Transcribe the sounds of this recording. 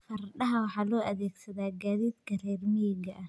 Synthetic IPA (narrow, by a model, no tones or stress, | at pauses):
fɐrɗɐɦɐwɑħɑːlɔːʔɐðɛːɡsɐðaːɡaːðiːd̪kʰɐrɛːrmɛjɪɡɐʔɐ